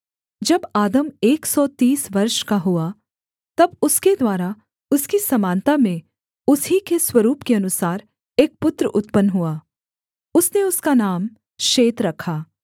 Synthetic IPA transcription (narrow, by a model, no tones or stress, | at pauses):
d͡ʒɐbaːd̪əmeːksɔt̪iːsʋɐɾʃkaɦua | t̪ɐbʊsked̪waːɾa | ʊskisɐmãːnt̪amẽ | ʊsɦikeswɐɾuːpkeɐnʊsaːɾ | eːk̚pʊt̪ɾəʔʊt̪pənɦuaː | ʊsneʊskanaːm | ʃeːt̪ɾɐkʰaː